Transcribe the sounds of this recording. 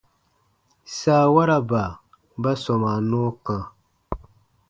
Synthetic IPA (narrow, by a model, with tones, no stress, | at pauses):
saː˦˨wa˦ɾa˦ba˨ | ba˦sɔ˨ma˨nɔː˦kã˨